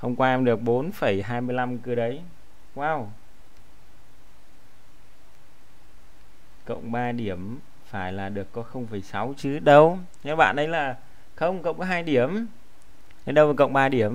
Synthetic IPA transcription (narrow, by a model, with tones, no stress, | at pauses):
ho˧wŋ͡mkwaː˧ʔɛ˧mɗɨ˨˩ək̚ɓo˨˦nfə˧˩jɦaː˧jmɨ˧əjla˧mkɨ˧ɗə˨˦j | kwaː˧˩w | kə̰˧˨wŋ͡mɓaː˧ɗi˧˩əm | faː˧˩jlaː˨˩ɗɨ˨˩əkːɔ˨˦xə˧wŋ͡mfə˧˩jsa˨˦wt͡ɕɨ˨˦ɗə˧w | nɛ˨˦ɓa̰ː˧˨nʔɗə˨˦jlaː˨˩ | xə˧wŋ͡mkə˧˨wŋ͡mkɔ˨˦ɦaː˧jɗi˧˩əm | n˨˦ɗə˧wa˨˩kə̰˧˨wŋ͡mɓaː˧ɗi˧˩əm